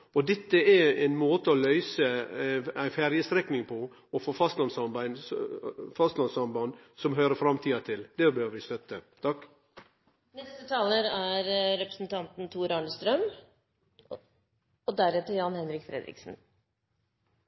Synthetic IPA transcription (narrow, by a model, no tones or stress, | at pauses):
ɔd̪ɛt̪ːəæɾɛɪnmoːt̪əɔlœʏsə | æɪfæɾjəst̪ɾɛknɪŋpʰɔ | ɔfoːfɑst̪lɑnsɑmbæɪn | fɑst̪lɑnsɑmbɑnsɔmɦøːɾəfɾɑmt̪ʰiːɑt̪ʰɪld̪̥ɛbøːʋəɾʋɪst̪œt̪ːət̪ʰɑkː | nɛst̪ət̪ʰɑːləɾæɾɾɛpɾəsn̩t̪ʰɑnt̪n̩t̪ʰuːɾɑɳəst̪ɾœm | ɔd̪æɾɛt̪əjɑnhɛnɾɪkfɾɛ̰d̪ɾɪ̰ksn̩